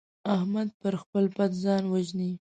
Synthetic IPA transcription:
ahmad̪̚pəɾxpəlpat̪zɑnwaʒni

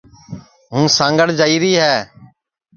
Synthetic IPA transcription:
ɦũːsãːŋɡəɽd͡ʒaːiːɾiːɦɛː

